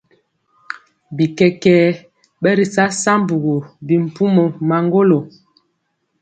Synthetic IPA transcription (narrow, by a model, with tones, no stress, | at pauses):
bi˨kɛ˦kɛː˦ | ɓɛ˦ɾi˨sa˦sa˦m˦bu˨ɣo˨bi˨m̩˨pu˦mo˨ma˨ŋɡo˦lo˨